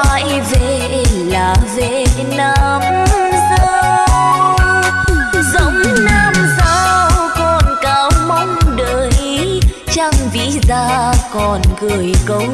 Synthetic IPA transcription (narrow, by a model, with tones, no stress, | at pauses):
a˧˨j | ve˧˩ | laː˨˩ve˧˨ | nə˧mzɨ˧ | zə˨˦ŋ͡mnaː˧msaː˧wkɔ˨˩nkaː˨˦wmɔ˧˦ŋ͡mɗəː˨˩j | t͡ɕa˧ŋ͡mvḭ˧˥zaː˧kɔ˨˩nɣɨ˨˩əjkə˨˦